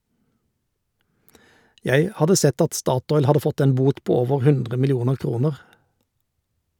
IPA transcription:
ˈjæɪ ˈhɑdə ˈsɛt ˈɑt ˈstɑːˌtɔʏl ˈhɑdə ˈfɔt ˈeːn ˈbuːt ˈpoː ˈoːʋəʁ ˈhʉndʁə mɪlɪˈuːnəʁ ˈkʁuːnəʁ

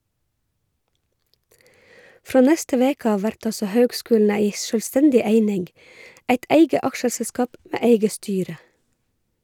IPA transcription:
ˈfɾoː ˈnɛstə ˈʋeːk ˈɑːʋ ˈʋæɾʈ ˈɑlsɔ ˈhøːɡˌskʉːln̩ ˈæɪ ˌʃœlˈstɛndɪ ˈeɪnɪŋɡ ˈʔæɪt ˈeɪɡə ˈɑkʃəsɛˌskɑːp ˈmeː ˈeɪɡə ˈstyːɾə

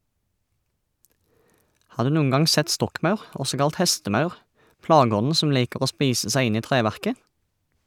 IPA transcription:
ˈhɑː ˈdʉː ˈnuːən ˈɡɑŋ ˈsɛt ˈstɔkˌmɑʉʁ ˈɔsɔ ˈkɑlt ˈhɛstəˌmɑʉʁ ˈplɑːɡəˌɔnn̩ ˈsɔm ˈliːkəʁ ˈoː ˈspiːsə ˈsæɪ ˈɪn ˈiː ˈtʁeːˌʋæʁkə

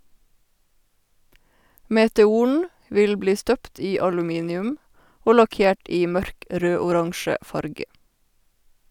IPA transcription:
meːtɛˈuːɳ̩ ˈʋɪl ˈbliː ˈstœpt ˈiː ɑlʉˈmiːnɪʉm ˈoː lɑˈkeːʈ ˈiː ˈmœɾk ˈɾøːʊˌɾɑŋʃə ˈfɑɾɡə

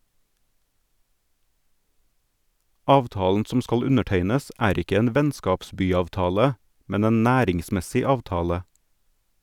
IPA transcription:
ˈɑːʋˌtɑːln̩ ˈsɔm ˈskɑl ˈʉnəˌʈeɪnəs ˈæːɾ ˈɪkə ˈeːn ˈʋɛnskɑpˌsbyːɑʋˌtɑːlə ˈmɛn ˈeːn ˈnæːɾɪŋˌsmɛsɪ ˈɑːʋtɑːlə

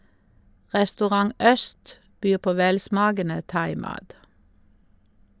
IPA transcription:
ʁɛstʉˈʁɑŋ ˈœst ˈbyːʁ ˈpoː ˈʋɛlˌsmɑːɡənə ˈtɑɪˌmɑːt

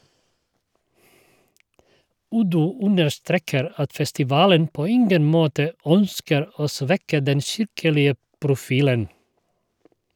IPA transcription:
ˈʉdʉ ˈʉnəʃˌtɾeːkəɾ ˈɑt fɛstɪˈʋɑːlən ˈpoː ˈɪŋɡən ˈmoːtə ˈœnskəɾ ˈoː ˈsʋɛkə ˈdɛn ˈʃɪɾkəlɪə pɾʊˈfiːlən

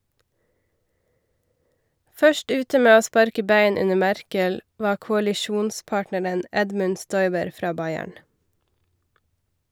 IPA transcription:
ˈfœʃʈ ˈʉːtə ˈmeː ˈoː ˈspɑɾkə ˈbæɪn ˈʉnə ˈmæɾkəl ˈʋɑː kʊɑlɪˈʃuːnˌspɑːʈnəɾən ˈɛdmʉn ˈstɔʏbəɾ ˈfɾɑː ˈbɑɪæɳ

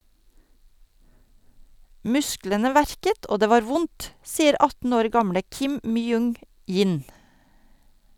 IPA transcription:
ˈmʉsklənə ˈʋæɾkət ˈʔoː ˈdeː ˈʋɑːɾ ˈʋʊnt ˈsiːəɾ ˈɑtn̩ ˈoːɾ ˈɡɑmɽə ˈkɪm ˈmyːˌʊŋ ˈjiːn

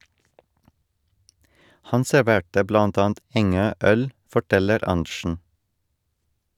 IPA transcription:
ˈhɑn sɛɾˈʋeːʈə ˈblɑnt ˈɑːn̩t ˈɛŋøː ˈœl fɔˈʈɛləɾ ˈɑɳʃɳ̩

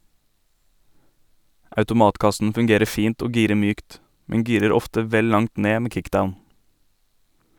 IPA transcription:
ɑʉtʊˈmɑːtˌkɑsn̩ fʉŋˈɡeːɾə ˈfiːnt ˈoː ˈɡiːɾə ˈmyːkt ˈmɛŋ ˈɡiːɾəɾ ˈɔftə ˈʋɛl ˈlɑŋt ˈneː ˈmeː ˈkɪkˌdaʊn

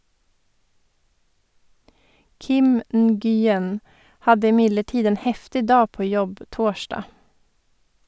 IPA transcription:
ˈkɪm n̩ɡyːˈjɛn ˈhɑdə ɪˈmɪdləˌʈiːd ˈeːn ˈhɛftɪ ˈdɑː ˈpoː ˈjɔb ˈtoːˌʃɖɑː

